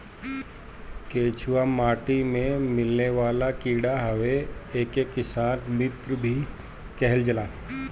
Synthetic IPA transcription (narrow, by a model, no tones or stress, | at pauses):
keːt͡ʃʰuwamaːʈimẽmɪlneʋaːlakiːɽaɦɐʋeeːkekːɪsaːnmɪt̪ɾbʱi | kɛɦɛld͡ʒɐlaː